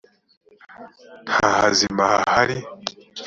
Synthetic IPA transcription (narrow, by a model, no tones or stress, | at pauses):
n̥hahazimahahaɾi